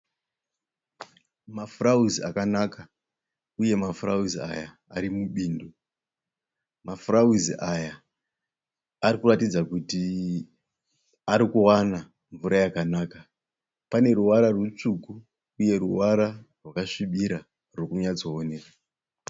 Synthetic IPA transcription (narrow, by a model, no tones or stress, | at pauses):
mafurauzia̰kanaka | uje̞mafurauzia̰jaː | ɾimuɓiːndo | mafurauziʔaja | rikuratid͡zakuti | aɾikuwana | ɱvuɾajakanaːka | pane̞ɾuwaɾarwut͡ʂuku | uje̞ɾuwaɾarwakaʂiɓiɾa | rwokuɲad͡zooneːra